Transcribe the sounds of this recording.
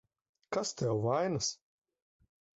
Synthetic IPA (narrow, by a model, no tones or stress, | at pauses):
kast̪ʲɛwvajnɨs